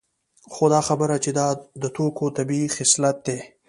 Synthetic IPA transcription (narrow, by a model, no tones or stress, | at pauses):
xod̪ɑxabəɾat͡ʃed̪ɑd̪ət̪ʰokot̪abiixɪslat̪̚d̪e